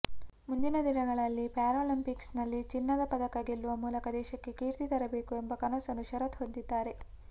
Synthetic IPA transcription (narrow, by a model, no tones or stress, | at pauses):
mund̪inɐd̪inɐɡɐɭɐlːipaːɾoːlimpiksnɐlːit͡ʃinːɐd̪ɐpɐd̪ɐkaɡilːuʋɐmuːlɐkɐd̪ɛːʃɐkːe̞kiːɾt̪it̪ɐɾɐbe̞ːkue̞mbɐkɐnɐsɐnuʃɐɾɐt̪ɦo̞nd̪id̪ːaːɾe̞